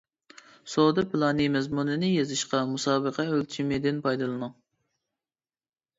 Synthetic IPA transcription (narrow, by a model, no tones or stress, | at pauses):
sod̪ɨpɨlˠɑnɨmɛzmunɨnɨjezɨʃqɑmusɑːbəqʰɛølt͡ʃʰimed̪ɪnpʰɑjd̪ɨlˠɨnu